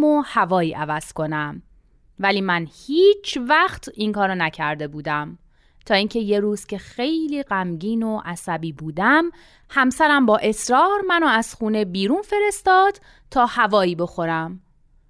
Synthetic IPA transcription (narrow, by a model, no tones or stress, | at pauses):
mohævɒːjiːʔævæz̥kʰo̞næm | væliːmænhiːt͡ʃʰvæxt̪ʰiŋkʰɒːɾɑnæcʰæɾd̪e̞buːd̪æm | t̪ʰɒːiːŋcʰe̞je̞ɾuːz̥cʰe̞xe̞jliːɢæmɟiːno̞ʔæsæbiːbuːd̪æm | hæmsæɾæmbɒːʔe̞sɾɒːɾmænoæz̥xuːne̞biːɾuːnfe̞ɾe̞st̪ɒːd̪̥ | t̪ʰɒːhævɒːiːbo̞xo̞ɾæm